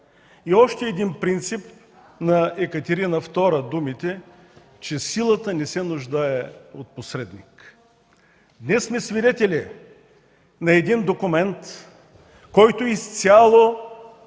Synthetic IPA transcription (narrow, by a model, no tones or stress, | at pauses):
iɔʃt̪ɛːd̪inpɾint̪sip | nɐɛkət̪ɛɾinəft̪ɔɾəd̪umit̪ɛ | t͡ʃɛsilˠət̪ənɛsɛnʊʒd̪aɛot̪̚posɾɛd̪nik | d̪nɛsːmɛsvid̪ɛt̪ɛlɛ | nɐɛd̪ind̪okʊmɛnt̪ | kɔjt̪ʊist̪sʲjalˠo